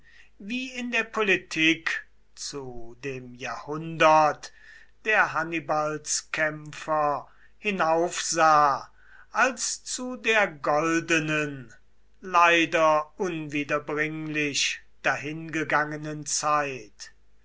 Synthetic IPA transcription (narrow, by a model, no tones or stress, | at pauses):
viːɪndeːɐpʰolitʰiːk | t͡sudeːmjaːɐhʊndɐt | d̥eːɐɦanibalskʰɛmfɐ | hɪnaʊfz̥aː | ʔalst͡sudeːɐɡɔldənən | laɪdɐʊnviːdɐbʁɪŋlɪɕ | d̥aɦɪnɡəɡaŋənənt͡saɪt